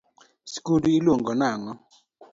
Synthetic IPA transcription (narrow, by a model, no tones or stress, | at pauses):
skuduilwoŋɡɔnaŋɔ